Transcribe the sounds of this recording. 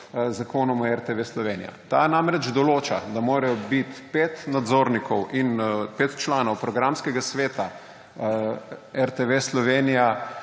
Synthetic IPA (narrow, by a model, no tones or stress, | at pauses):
zakoːnɔmɛɾt̪eʋeslɔʋeːnija̰t̪a̰namɾɛd͡ʒd̪ɔloːt͡ʃa̰d̪amoːɾɛjɔbit̪pet̪nad̪zoːɾnikʰɔwʔinpeːt̪t͡ʃlaːnɔwpɾɔɡɾamskɛɡasʋeːt̪a | ɛɾt̪eʋeslɔʋeːnija